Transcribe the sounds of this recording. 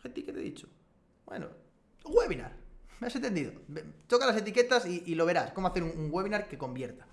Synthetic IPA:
xent̪iket̪eðḭt͡ʃo̥ | bwḛno̰ | ɣweβina̰ɾmeasent̪end̪iðo̰et̪okalase̞t̪ike̞t̪asiːlo̞β̞e̞ɾaskomoaθeɾuŋuŋɡweβ̞inaɾke̞ko̞mbje̞ɾt̪ḁ

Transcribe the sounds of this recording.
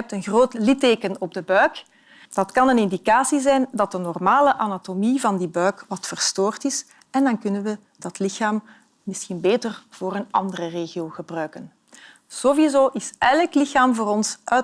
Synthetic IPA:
ɛp̚tənɣroːtlɪteːkənɔb̚dəbœɥk | d̥ɑtkɑnənɪndikaːsizɛjndɑt̚dənɔrmaːləʔanatomivɑndibœɥkʋɑtfərstoːrtɪs | ɛndɑnkʏnənʋə | d̥ɑtlɪxaːmː | ɪsxinbeːtərv̥oːɾənɑ̰ndərəreːɣioːɣəbrœɥkən | z̥oːwizoːʔɪsɛləklɪxaːmvoːɾɔnsʔœ

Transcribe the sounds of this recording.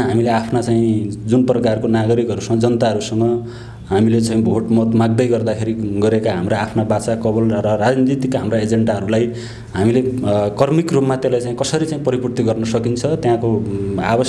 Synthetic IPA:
ɦamileapʰnat͡saĩd͡zunprʌkarkonaɡʌɾikʌɾusʌŋɡʌd͡zʌnʌt̪aɦʌɾusʌŋʌ | ɦamilet͡sãĩbʱoʈmʌt̪maɡ̚d̪ʌjɡʌrd̪akʰeɾiɡʌɾekaɦamɾaːpʰnabat͡sakʌbʌlrʌrad͡zninit̪ikɦamraed͡zeɳɖaɦʌɾulaj | ɦamilekʌrmikrupmat̪elajt͡saĩkʌsʌɾit͡saĩpʌɾipurt̪iɡʌrnʌsʌkint͡sʰʌt̪jãkoabʌ

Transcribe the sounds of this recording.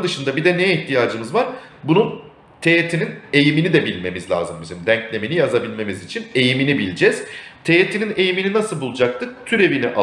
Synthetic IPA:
d̪ɯʃɯnd̪abid̪ɛneiçt̪ʰijaːd͡ʒɯmɯzvaɾ | bunun | t̪ʰe̞jet̪ʰinine̞jiminid̪ɛbilʲme̞mizlʲa̰ːzɯmbizimd̪æɲclʲe̞minijazabilʲme̞mizit͡ʃʰine̞jiminibilʲd͡ʒɛz̥t̪ʰejet̪ʰinine̞jimininasɯlˠbulˠud͡ʒak̚t̪ʰɯt̪ʰyɾe̞viniʔa

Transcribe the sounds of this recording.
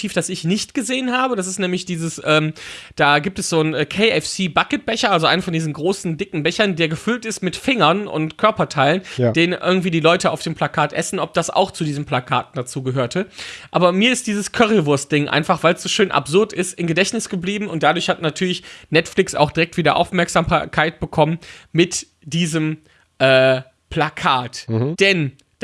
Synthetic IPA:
tʰiːfd̥asɪçnɪçtɡ̥əzeːənɦaːbəd̥as̬ɪstnɛːmlɪçd̥iːzəsʔɛːmd̥aːɡiːp̚tɛsz̥oːnɛːkʰeɪɛfsiːbakət̚b̥ɛçɐʔalzoʔaɪnfɔndiːzn̩ɡʁoːsn̩dɪkŋ̩bɛçɐndeːɐɡəfʏltɪstmɪtfɪŋɐnʊ̰ntkʰœɐpɐtʰaɪlənd̥eːnənʔɪ̰ɐɡŋ̩tv̥iːdiːlɔʏtəa̰ʊfd̥eːmplakʰaːtʔɛsn̩ʔɔp̚d̥asa̰ʊxt͡sudiːzəmpl̥akʰa̰ːtn̩d̥at͡suːɡəɦøːɐtʰəʔa̰ːbɐmiːɐɪst̚d̥iːzəskʰœʁlvʊɐst̚d̥ɪŋʔa̰ɪnfaχv̥aɪlsz̥oːʃøːnʔa̰pz̥ʊɐtɪstʔɪmɡədɛçnɪsɡ̥əbliːbm̩ʊnt̚d̥adʊɐçhatnatʰyːɐlɪçnɛtflɪksa̰ʊxd̥iʁɛktv̥iːdɐʔa̰ʊfmɛɐkz̥aːmkʰaɪt̚b̥əkʰɔmənmɪt | d̥iːzəm | ʔɛː | pʰl̥akʰaːtd̥ɛn

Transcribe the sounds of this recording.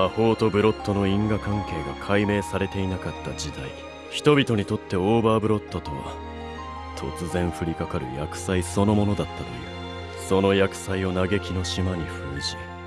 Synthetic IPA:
maho̞ːt̪o̞bɯ̟ɾo̞t̪ːo̞no̞ĩŋɡakãŋke̞ːɡakʰaime̞ːsaɾe̞t̪e̞inakat̪ːad͡ʑid̪aḭ | çi̥t̪o̞bʲit̪o̞ɲ̟it̪o̞t̪ːe̞oːbaːbɯ̟ɾo̞t̪ːot̪o̞βa̰ | t̪ʰo̞̰t͡sɨzẽ̞ɰ̃ɸɯ̟ɾʲikakaɾɯ̟̰jakɯ̟̥saiso̞no̞mo̞no̞d̪at̪ːat̪oi | so̞no̞jakɯ̟̥saio̞naɡe̞kʲino̞ɕimaɲ̟iɸɯːʑi

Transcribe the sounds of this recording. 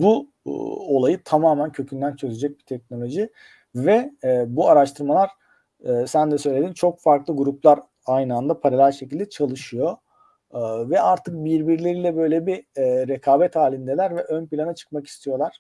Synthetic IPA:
bṵ | o̞lˠajɯt̪ʰamaːmæncʰø̞cʰynd̪ænt͡ʃʰø̞zyd͡ʒɛc̚bit̪ʰɛc̚no̞lʲo̞ʒi | vɛbuaɾaʃt̪ʰɯɾmalˠaɾ̥ː | sænd̪ɛsø̞jlʲe̞d̪int͡ʃʰo̞kfaɾklˠɯɡuɾuplˠaɾ | ajnɯand̪apʰaɾalʲæɾʃecilʲd̪ɛt͡ʃʰalˠɯʃɯjo̞ | vɛaɾt̪ʰɯk̚biɾbiɾlʲe̞ɾiːlʲɛbø̞jlʲebiɾekʰaːbɛt̪haːlʲind̪ɛlʲæɾvɛʔønpilʲanat͡ʃʰɯ̥k̚maki̥st̪ʰijo̞lˠaɾ̥

